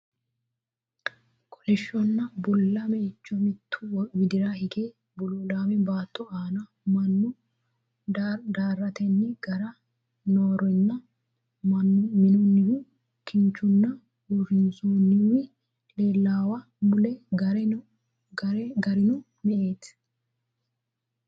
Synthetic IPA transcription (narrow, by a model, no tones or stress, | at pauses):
kʰʼɔlɛʃːɔnːɐbɔlːɐmɛɪt͡ʃːɔmɪt̪ʰːʊwɪd̪ɪɾahɪɡeː | bɔlɔlaːmɛbaːt̪ʰʼːɔaːnɐ | mɐnːʊ | d̪aːrːɐt̪ɛnːɪɡ̥ɐɾɐ | noːɾɛnːɐ | ɐmɪnʊnːɪwʊ | kɪnt͡ʃːʊnːɐ | wɾɪnsoːnːɪwɪ | leːlːaːwɐ | mʊlɛɡɐɾ | ɡɐɾɡɐɾɪnʊ | mɛʔeːt̪